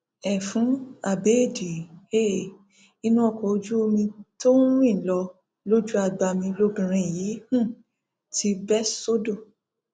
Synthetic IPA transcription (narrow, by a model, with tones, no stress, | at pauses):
ɛ˨fũ˨˦a˨be˨˦˨di˨e˦˨ | i˧nũ˦ɔ˦˨kɔ˨o˧d͡ʒu˦o˧mĩ˧to˦wĩ˦˨lɔ˧ | lo˦d͡ʒu˦a˧ɡ͡ba˧mĩ˧lo˧bĩ˨ɾ̃ĩ˧˨ji˨˦hũ˦˨ | ti˨˦bɛ˦so˦do˦˨